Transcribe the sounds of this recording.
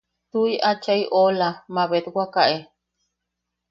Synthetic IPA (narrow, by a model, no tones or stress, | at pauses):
t̪uiʔat͡ʃaiʔolamaβet̪wakaʔe